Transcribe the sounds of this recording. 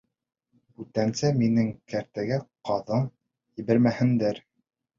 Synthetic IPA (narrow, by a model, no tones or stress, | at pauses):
ʉt̪ænsæminɘŋkæɾt̪æɡæqɑðɤɴ | ɘbɘɾmæhɘ̆nd̪æɾ